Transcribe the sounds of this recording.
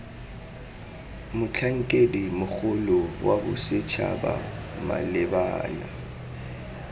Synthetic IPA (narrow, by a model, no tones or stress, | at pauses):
mʊt͡ɬʰaŋ̩kʼedimʊk͡xʰʊlʊwabʊsɪt͡ʃʰa̰ba̰ma̰lɪbaːna